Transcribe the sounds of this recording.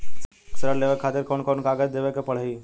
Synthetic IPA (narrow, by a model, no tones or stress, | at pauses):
s | ksəɾaleʋekʰːaːt̪ɪɾkɔnkɔnkaɡəd͡ʒd̪eːʋekepəɭ̤iː